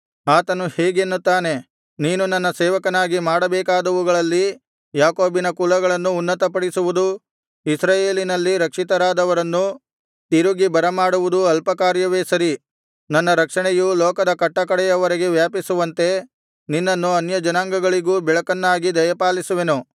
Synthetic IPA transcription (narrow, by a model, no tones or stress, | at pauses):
aːt̪ɐnuhɛːɡenːut̪ːaːne̞ | niːnunɐnːɐsɛːʋɐkɐnaːɡimaːɽɐbɛːkaːd̪ɐʋuɡɐɭɐlːi | jaːko̞ːbinɐkulɐɡɐɭɐnːuːnːɐt̪ɐpɐɽisuʋud̪u | isɾaːjeːlinɐlːiɾɐkʂit̪ɐɾaːd̪ɐʋɐɾɐnːu | t̪iɾuɡibɐɾɐmaːɽuʋud̪uɐlpɐkaːɾjɐʋeːsɐɾi | nɐnːɐɾɐkʂɐɳɛjulɔːkɐd̪ɐkɐʈːɐkɐɽɛjɐʋɐɾɐɡeʋjaːpisuʋɐnt̪e̞ | ninːɐnːuɐnjɐd͡ʒɐnaːŋɡɐɡɐɭiɡuːbɛɭɐkɐnːaːɡid̪ɐjɐpaːlisuʋe̞nu